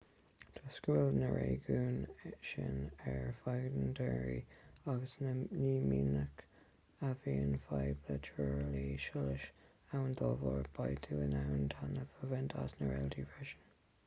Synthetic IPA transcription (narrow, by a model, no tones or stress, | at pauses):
t̪ʰɔskulnəɹʔeːɡuːnʃɪ̰nɛɹfajɡdəndɛːɹḭaɡəsnəniːminək | aviːənfajblət͡ʃʰuɹliːʃʊləʃ | awənd̪ɔlvɔɹb̥ajt̪ʰuːənawənt̪ʰanəvəvɛntʰasnəɹɛltʰivɛʃən